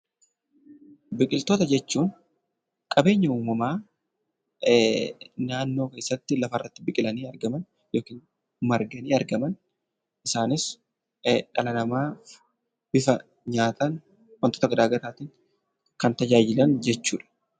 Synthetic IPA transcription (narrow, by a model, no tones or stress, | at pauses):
bɪkʼɪlt̪o̞ːt̪ɐd͡ʒɛt͡ʃːuːn | kʼɐbe̞ːɲːɐuːmɐmaː | naːnːo̞ːke̞ːsːɐt̪ːɪlɐfɐrːɐt̪ːɪbɪkʼɪlɐniːɐɾɡɐmɐn | jo̞ːkiːn | mɐɾɡɐniːɐɾɡɐmɐn | ʔɪsaːnɪs | ᶑɐlɐnɐmaː | bɪfɐ | ɲaːt̪ɐn | wɐnt̪ot̪ɐɡɐd̪aːɡɐɾaːt̪iːn | kɐnt̪ɐd͡ʒaːd͡ʒɪlɐnd͡ʒɛt͡ʃːuːᶑɐ̥